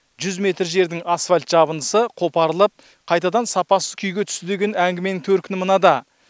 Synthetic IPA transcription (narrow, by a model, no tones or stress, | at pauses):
ʒʏzme̞t̪ɾʒe̞ɾd̪ɪŋɑsfalʲt̪ʒ̥ɑbənd̪əsəqʰo̞pɑɾəlˠəp̚ | qʰɑjt̪ɑd̪ɑnsɑpɑsəzkʲʰʏjɡʲe̞t̪ʰʏ̥st̪ɪd̪e̞ɡʲe̞næŋɡʲɪme̞nɪŋt̪ʰɵɾt̪kʲʰɪnmənɑd̪ɑ